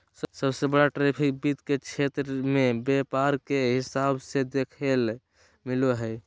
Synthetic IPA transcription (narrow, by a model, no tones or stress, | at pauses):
ssəbsebəɽaʈɾepʰik̚bid̪ket͡ʃʰet̪ɾəmebepaɾkeɦisabsed̪ekʰel | miloɦəj